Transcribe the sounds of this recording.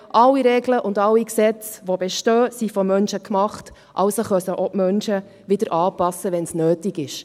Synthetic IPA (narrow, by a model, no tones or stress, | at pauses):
ʔɑlːiɾɛɡləʔʊndɑlːiksɛt͡sʋobɛʃtøːsifɔmœnʃəkmɑχt | ʔɑwsoχœsəʔɔmœnʃə | ʋɪdəɾʔɑːpɑsəʋɛnsnøːtiɡɪʃ